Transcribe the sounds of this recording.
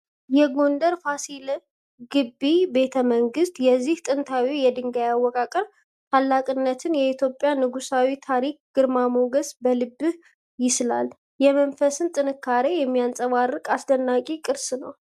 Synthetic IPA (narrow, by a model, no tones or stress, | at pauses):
jɛɡo̞nd̪əɾfasil | ɡɨbːibe̞t̪ʰəməŋɡɨst̪jɛzːiht̪ʼɨnt̪ʰawijɛd̪ɨŋɡajawːɔkʼakʼəɾ | t̪ʰalːakʼɨnːət̪ʰɨnjɛit̪ʰjo̞pʼjanɨɡusawit̪ʰaɾik̚ɡ̥ɨɾmamoɡəsbəlɨbːɨh | jɪsla̰l | jɛmənfəsɨnt̪ʼɨnɨkːaɾe̞jɛmːijansʼəβarːɨkʼasd̪ənːakʼikʼɨɾsnəw